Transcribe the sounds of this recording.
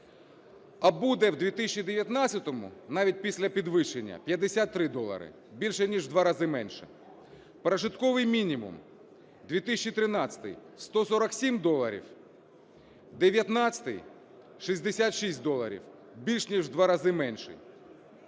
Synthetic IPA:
ɐbud̪ɛwd̪ʲʋʲit̪ɪsʲt͡ʃːid̪eʋjɐt̪nɑt͡sʲɐt̪ɔmʊ̰nɑʋʲit̚ʲpʲisʲlʲɐpʲid̪ʋɪʃenʲːɐ̰pʲjɐd̪esʲat̪ːɾɪd̪ɔlˠɐ̰ɾɪ̰ | bʲilʲʃɛnʲiʒd̪ʋɑɾɐzɪmɛnʲʃɛ̰ | pɾɐʒɪt̪kɔʋɪjmʲinʲimʊ̰m | d̪ʲʋʲit̪ɪsʲt͡ʃːit̪ɾɪnɑt͡sʲɐ̥t̪ɪ̰j | st̪ɔsɔɾɐksʲimd̪ɔlˠɐɾʲḭw | d̪eʋʲjɐt̪nɑt͡sʲɐ̥t̪ɪj | ʃizʲd̪esʲat̪ʃisʲt̚ʲd̪ɔlˠɐ̰ɾʲḭw | bʲilʲʃnʲiʒd̪ʋɑɾɐzɪmɛnʲʃɛ̰

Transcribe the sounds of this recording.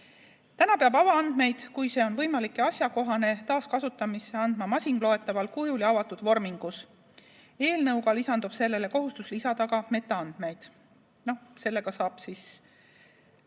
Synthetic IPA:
t̪ænɑpeɑbɑvɑɑnd̪̥me̞jd̪̥kujse̞ːo̞nvɤ̞jmɑlikːˑe̞ɑsjɑko̞ɦɑne̞t̪ɑːskɑsut̪ːˑɑmise̞ɑnd̪̥mɑmɑsʲiŋɡ̥lo̞et̪ːˑɑvɑlkujuliɑvɑt̪ːud̪̥vo̞rmiŋɡ̥us | e̞ːlnɤwɡɑlisɑnd̪ub̥se̞lːe̞le̞ko̞ɦust̪uslisɑd̪̥ɑɡɑme̞t̪ːˑɑɑnd̪̥me̞jd̪̥ | no̞hse̞lːe̞ɡ̥ɑsɑːb̥sis

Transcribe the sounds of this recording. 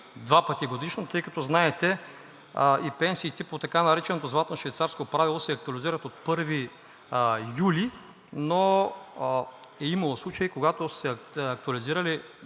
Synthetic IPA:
d̪vapət̪iɡod̪iʃnot̪ɤjkɐt̪ɔznaɛt̪ɛ | ipɛnsiːt̪ɛpot̪ɐkanɐɾɛt͡ʃɛnot̪ozvlˠat̪onoʃvɛjt̪saɾskopɾavilˠosɛɐk̚t̪uɐliziɾɐt̪ot̪̚pɤɾvi | juli | no | ɛimɐlˠoslˠut͡ʃɐjikoɡat̪osɛɐk̚t̪uɐliziɾɐli

